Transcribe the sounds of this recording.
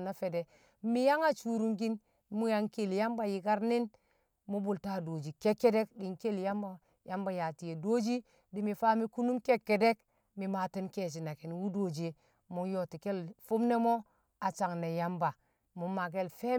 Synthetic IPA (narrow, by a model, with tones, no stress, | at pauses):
na˦fe˨de˨ | mi˦ja˦ŋa˦t͡ʃu˨ɾu˦ŋɡi˦n | mu˦ja˦ŋke˦˨lja˦mba˨ji˨ka˦ɾni˦n | mu˦bu˨lta˦˨do˨d͡ʒi˨ke˦kːe˦de˦kɗi˨ŋke˦lja˦mba˦ | ja˦mba˦ja˨ti˨je˨do˦d͡ʒi˦ | di˨˦mi˨fa˦mi˦ku˦nu˦mke˦kːe˨de˦k | mi˨ma˨ti˦nke˨t͡ʃ̬i˨na˨ki˨n˨wu˦do˨d͡ʒe˦ | mu˦jo˨ti˨ke˦lfu˦mne˦mo˦ | a˨t͡ʃa˨ŋne˨ja˦mba˨ | mu˨˦ma˨k̬e˦lfe˦